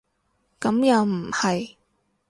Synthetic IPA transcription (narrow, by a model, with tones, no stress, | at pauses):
kɐ˨˥mjɐ˨˧wm̩˨˩hɐ˨j